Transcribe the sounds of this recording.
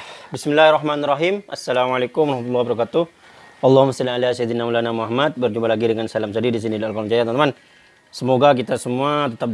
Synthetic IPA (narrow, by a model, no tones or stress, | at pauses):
bismɪlːahrːɑɦmanrːɑɦimʔasːalamalekʊmɔɾɑhmat̪ulːɑhwbaɾɑkat̪u | ʔɑlˠˤːɑhumːastalalasaid̪inamulanamuaɦamat̪̚bərd͡ʒumbalaɡidəŋansalams̬adidis̬inidialkolɔŋd͡ʒajat̪mant̪man | səmoɡak̬it̪asəmuat̪ət̪ap̚